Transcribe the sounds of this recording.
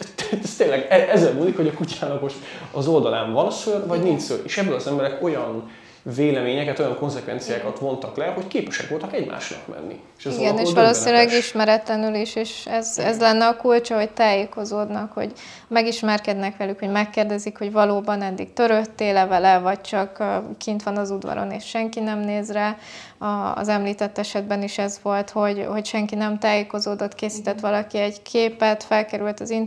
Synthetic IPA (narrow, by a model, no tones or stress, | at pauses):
t̪ɛst̪eːlːɛɡɛʔɛzɛlmuːlikho̞ɟɒkucaːlɒkoʃɒzo̞ld̪ɒlaːɱvɒnsørvɒɟnint͡ʃsølʔeːʃɛbːølɒzɛmbɛɾɛko̞jɒn | veːlɛmeːɲɛkɛt̪o̞jɒŋko̞nzɛkʋɛ̰nt̪sijaːkɒt̪ʋo̞nt̪ɒklɛho̞ckeːpɛʃɛkʋo̞lt̪ɒkɛɟmʔa̰ːʃnɒ̰kmɛ̰nːḭeʃɛziɡɛneːʃʋɒloːsinylɛɡiʃmɛɾɛt̪lɛnyliʃeːʃɛzɛzlɛnːɛɒkult͡ʃɒɦo̞ct̪aːjeːko̞zoːd̪nɒkho̰ɟ | mɛɡiʃmɛrkɛd̪nɛkʋɛlykho̞ɟmɛkːeːrd̪ɛzikho̞ɟvɒloːbɒnɛd̪ːiɡ̚t̪ø̞ɾøt̪ːeːlɛvɛlɛvɒɟ̚t͡ʃɒkːkint̪ʋɒnɒzud̪vɒ̰ɾo̰nḛːʃʃɛŋkinɛmneːzra | ɒ̰ːzɛmliːt̪ɛt̪ːɛʃɛd̪̚bɛniʃɛzʋo̞lt̪ho̞ɟho̞cʃɛŋkinɛmt̪aːjeːko̞zoːd̪ot̪keːsiːt̪ɛt̪ʋɒlɒkiɛɟkʰeːpɛt̪fɛlkɛɾylt̪ɒzin